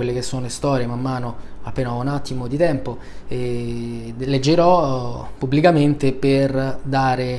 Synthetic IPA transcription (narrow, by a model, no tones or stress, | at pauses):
welːek̟esːoːnoest̪ɔːɾjemamːaːnoapːeːnaunat̪ːimod̪it̪ɛmpo | e | led͡ʒːeɾɔpubːlikament̪eperd̪aːɾe